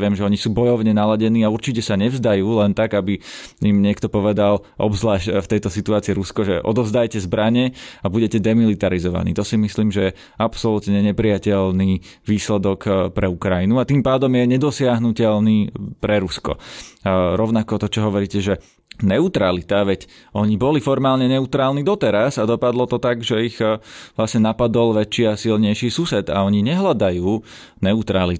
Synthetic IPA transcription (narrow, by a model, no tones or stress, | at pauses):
ɪɛmʒɛɔɲisuːbɔjɔʊɲɛnalaɟɛniːauɾt͡ʃicɛsaɲɛvzd̪ajuːlɛnt̪aɡabiimɲɪɛkt̪ɔpɔʋɛd̪alʔɔ̰bzlaːʃft̪ɛjt̪ɔsit̪uaːt͡siiɾuskɔʒɛʔɔ̰d̪ɔvzd̪ajcɛzbɾaɲɛabuɟɛcɛd̪ɛmilit̪aɾizɔʋa̰nḭːt̪ɔsimisliːmʒɛjɛ | apsɔlut̪ɲɛɲɛpɾiacɛlniː | ʋiːslɛd̪ɔkpɾɛukɾainuat̪impaːd̪ɔmjɛɲɛd̪ɔsɪaɦnucɛlniːpɾɛɾuskɔ̰ | ɾɔʊnakɔt̪ɔt͡ʃɔɦɔʋɔɾiːcɛʒɛ | nɛut̪ɾalit̪aʋɛcɔɲibɔlifɔɾmaːlɲɛnɛut̪ɾaːlnid̪ɔt̪ɛɾasad̪ɔpad̪lɔt̪ɔt̪aɡʒɛiɣʋlasɲɛnapad̪ɔlʋɛt͡ʃiːasilɲɛjʃiːsusɛd̪a̰ɔɲiɲɛɦlad̪ajuː | nɛut̪ɾali